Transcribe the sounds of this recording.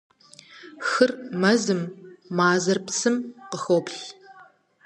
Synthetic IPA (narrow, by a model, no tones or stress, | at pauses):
xɨrmɐzɨmːaːzɐrpsɨmqəxopɬ